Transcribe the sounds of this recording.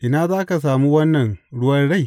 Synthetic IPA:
ʔɪ˨naː˦zaː˦ka˨s̬aː˨mu˦wɐ˦nːɐ˨ŋɽʊ˦wɐ˦rɽa˦j

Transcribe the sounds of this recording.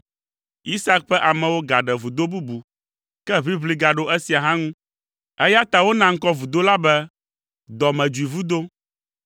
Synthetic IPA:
i˦sa˦k̚ɸɛ˦ʔa˨mɛ̃˨wo˦ɡa˨ɖɛ˨vu˨d̪o˦bu˦bu˨ | kɛ˦βi˦βli˦ɡa˨ɖo˦ʔɛ˦si˨a˨ɦã˦ŋũ˦ | ɛ˦ja˦t̪a˨wo˦nã˨ŋ̩˦kɔ˦vu˨d̪o˦la˦bɛ˦ | d̪ɔ˨mɛ̃˨d͡ʒu˨i˨vu˦d̪o˦

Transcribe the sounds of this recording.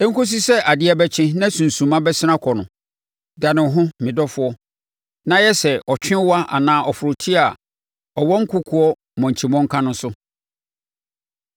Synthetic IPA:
ɛ˦ŋ̩˦kʊ˦s̬i˦sɛ˦ʔa˨dɪ˦ɛ˦bɛ˦t͡ɕʰɪ̃˦nã˦sũ˨n̩˨sũ˨mã˦bɛ˦sɪ˦nã˦kʰɔ˨nʊ̃˨ | da˨nɪ̃˨˦ɦʊ̃˦mɪ̃˨dɔ˦fʊ˦ɔ˦ | nã˦jɛ˦sɛ˨ʔɔ˨t͡ɕᶣɪ̃˦wa˦ʔa̰˨nãː˨˦ʔɔ˨fʊ˨ɾʊ˨tʰi˦a˨ | ɔ˨wɔ˦ŋ̩˦kʰʊ˦kʰʊ˨ɔ˦ | mɔ̃˨ɲ̩˨t͡ɕʰi˨mɔ̃˦ŋ̩˦kʰã˦nʊ̃˦sʊ˦

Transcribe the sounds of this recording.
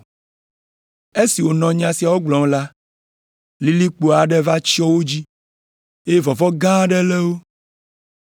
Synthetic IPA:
e˦si˨wo˨nɔ̃˨ɲ˦ã˨si˨a˨wo˦ɡ͡blɔ̃˨˦la˦ | li˨˦li˦k͡po˨a˨ɖɛ˦va˦t͡ɕi˦ɔ˦wo˦d͡ʑi˦ | e˦e˦vɔ˨vɔ˦ɡã˦ɖɛ˦lɛ˦wo˦

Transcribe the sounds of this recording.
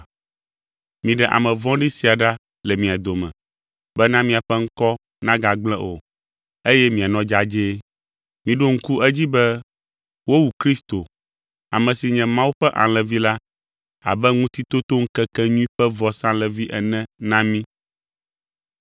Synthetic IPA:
mĩ˨ɖɛ˨ʔa̰˨mɛ̃˨vɔ̃˦ɖi˦si˨a˨ɖa˦ | lɛ˨mĩ˨a˨d̪o˨mɛ̰̃˨ | bɛ˦nã˦mĩ˨a˨ɸɛ˦ŋ̩˦kɔ˦ | nã˦ɡa˨ɡ͡blɛ̃˦ʔo̰˨ | e˦jɛ˦mĩ˨a˨nɔ̃˦d͡ʒa˦d͡ʒe˦ | mĩ˨ɖo˦ŋ̩˦ku˦ʔɛ˦d͡ʑi˦bɛ˦ | wo˦wu˨kɾi˦st̪o˨ | a̰˨mɛ̃˨si˨ɲɛ̃˨mã˦wu˦ɸɛ˦ʔã̰˨lɛ̃˨vi˦la˦ | a̰˨bɛ˦ŋũ˦t̪i˦t̪o˦t̪o˦ŋ̩˦kɛ˦kɛ˦ɲũ˦ĩ˦ɸɛ˦vɔ˨sã˦lɛ˨vi˦ʔɛ˨nɛ̃˦nã˦mĩ˦

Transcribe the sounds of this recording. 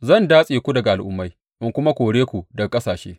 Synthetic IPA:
zɐ˦˨ndaː˦sʼeː˨kʷu˦dɐ˨ɡa˨ʔa˨lʔʊ˦mːa˦j | ʔɪ˨ŋkʷʊ˦ma˦kʷoː˨ɽeː˦kʷu˨dɐ˨kʼɐ˦saː˨ʃḛː˦

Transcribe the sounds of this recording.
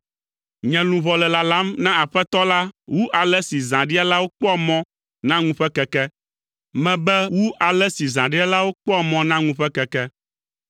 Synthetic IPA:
ɲɛ̃˨lũ˨βɔ˨lɛ˨la˨lã˦mnã˦a˨ɸɛ˦t̪ɔ˦la˦wu˦ʔa˨lɛ˦si˨zã˨ɖi˦a˦la˦wo˦k͡pɔ˦a˨mɔ̃˦ | nã˦ŋũ˦ɸɛ˦kɛ˦kɛ˦ | mɛ̃˨bɛ˦wu˦ʔa˨lɛ˦si˨zã˨ɖi˦a˦la˦wo˦k͡pɔ˦a˨mɔ̃˦nã˦ŋũ˦ɸɛ˦kɛ˨kɛ˦

